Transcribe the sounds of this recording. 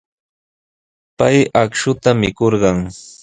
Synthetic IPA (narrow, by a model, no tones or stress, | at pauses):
pajakʃʊt̪amɪkoɾɢɑŋ